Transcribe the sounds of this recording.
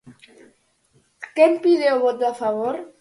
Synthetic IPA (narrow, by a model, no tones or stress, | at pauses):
kempiðeoβot̪̚d̪afaβoɾ